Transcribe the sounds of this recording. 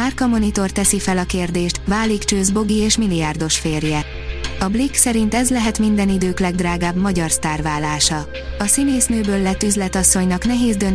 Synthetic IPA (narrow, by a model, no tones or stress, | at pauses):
maːrkɒmo̞nit̪o̞rt̪ɛsifɛlɒkeːrd̪eːʃt̪vaːlikt͡ʃøːzbo̞ɡieːʃmilijaːrd̪o̞ʃfeːrjɛ | ɒbliksɛɾint̪ɛzlɛɦɛt̪mind̪ɛnid̪øːklɛɡd̪raːɡaːbmɒɟɒrst̪aːrvaːlːaːʃɒ | ɒsineːsnøːbøːlːɛt̪ːyzlɛt̪ɒsːo̞ɲnɒkn̪ɛɦeːzd̪ø̞n